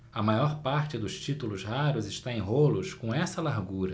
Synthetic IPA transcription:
ɐmajɔɾpaɾt͡ʃɪd̪ʊʃt͡ʃit̪ulʊzhaɾʊzɪʃt̪aẽj̃ɦolʊskõw̃ɛsɐlaɾɡuɾɐ

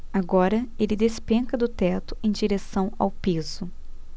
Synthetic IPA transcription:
aɡɔɾɐelɪd̪espẽkɐd̪ʊt̪ɛt̪ʊẽj̃d͡ʒiɾesɐ̃w̃a̰wpez̥ʊ

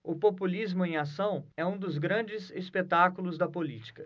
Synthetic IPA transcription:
ʊpopulizmʊẽj̃asɐ̃w̃ɛũd̪ʊzɡɾɐ̃nd͡ʒɪzespet̪akulʊzd̪ɐpolit͡ʃi̥kɐ

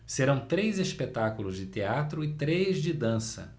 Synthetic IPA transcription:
seɾɐ̃w̃t̪ɾejzespet̪akulʊzd͡ʒɪt̪eat̪ɾʊɪt̪ɾezd͡ʒɪd̪ɐ̃sɐ̰

